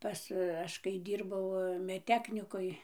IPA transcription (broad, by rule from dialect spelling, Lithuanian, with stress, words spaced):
ˈpɐs ˈɐʃ kɐɪ ˈdʲiːrbɐʊ mʲɛtʲˈtʲæːknʲɪkoːj